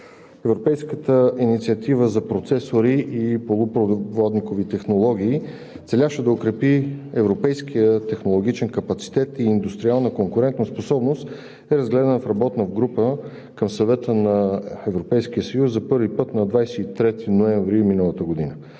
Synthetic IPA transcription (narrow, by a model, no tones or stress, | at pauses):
ɛvɾopɛjskət̪əinit̪siət̪ivəzɐpɾot̪sɛsoɾiʔipolˠʊpɾovɔd̪nikovit̪ɛxnolˠɔɡ̟iː | t̪sɛlʲaʃɛd̪ɐokɾɛpiɛvɾopɛjsk̟iət̪ɛxnolˠoɡ̟it͡ʃɛnkɐpɐt̪si̥t̪ɛt̪iːnd̪ust̪ɾialˠnəkoŋkʊɾɛnt̪nɐsposɔbnost̪ | ɛɾɐzɡlɛd̪ənəfɾɐbɔt̪nəvɡɾupə | kəmsɐvɛt̪ənɐɛvɾopɛjsk̟iəsəjuszɐpɤɾvipɤt̪nɐd̪vajsɛit̪ɾɛt̪inoɛɱvɾiminəlˠət̪əɡod̪inə